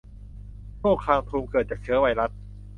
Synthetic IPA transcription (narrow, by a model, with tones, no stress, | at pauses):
t͡ɕoː˥˩kʰaː˧ŋt̪ʰuː˧mkɤː˨˩t̪̚t͡ɕaː˨˩k̚t͡ɕʰɯ˦ɐwa˧jɾa˦˥t̪̚